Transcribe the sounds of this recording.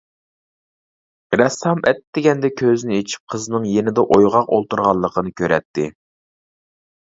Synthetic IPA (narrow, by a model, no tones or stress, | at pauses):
ɾɛsɑmʔɛt̪d̪ɪɡʲɛnd̪ɛkʲʰøzɪnɪet͡ʃʰi̥p̚qʰəznɨŋjenɪd̪ɛʔojʁɑqolˠt̪uɾʁɑlˠːəqʰənɨkʲʰøɾɛ̰t̪ʰːɪ